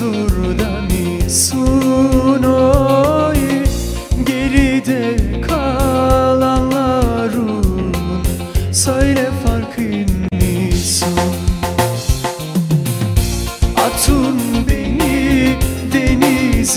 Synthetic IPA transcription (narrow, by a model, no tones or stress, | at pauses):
u | ɾd̪ani | su | no | jɯ | ɟeɾid̪ɛkʰa | lˠanlˠaɾumn | søjlɛfaɾkʰɯnːisun | at̪ʰunbeni | d̪eniz